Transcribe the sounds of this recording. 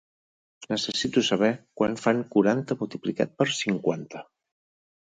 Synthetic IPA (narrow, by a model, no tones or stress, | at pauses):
nəsəsit̪usəβ̞ɛkwanfaŋkuɾant̪əmulˠt̪iplika̰t̪̚pəɾsiŋkwant̪ə